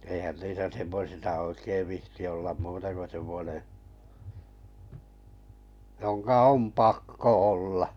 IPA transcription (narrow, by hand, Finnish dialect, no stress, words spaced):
eihæn niːsæ semːosisɑ oikeiʋ ʋihti olːɑm muːtɑ ko semˑŏne joŋkɑ om pɑkːo olːɑ